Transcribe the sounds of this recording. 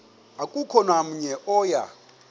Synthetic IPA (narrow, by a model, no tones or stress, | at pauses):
akʼukʰɔnam̩ɲɛʔɔja̰